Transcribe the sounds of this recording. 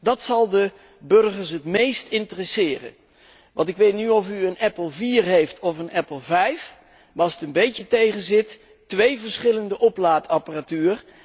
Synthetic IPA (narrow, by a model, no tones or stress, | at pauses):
dɑtsɑlˠdə | bɵɹχəɹsɦətmejstɪntərɛsɪːrə̰n | ʋʔɑ̰ntɪkʋejtnyɔfyənɛplˠviːɹɦejftʰɔfənʔɛpl̩ˠvɛjf | ʋɑsətənbejtətejχənzɪt | tʋejvəɹsχɪləndəʔɔplaːtɑparatyːr